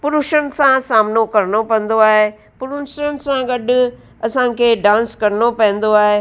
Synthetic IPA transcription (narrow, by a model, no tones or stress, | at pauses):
pʊɾuʃən̆sãsaːmnokɐɾnopɐ̃nd̪oaːɦe | pʊɾuʃənɪ̆sãɡɐɖʊ̆ | ɐsãkʰeːɖãːnskɐɾnopɛ̃ɦɪ̃nd̪oaːɦeː